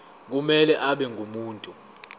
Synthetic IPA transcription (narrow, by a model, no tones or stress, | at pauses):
k̬umɛlɛʔaɓɛŋɡʱumuːntʼu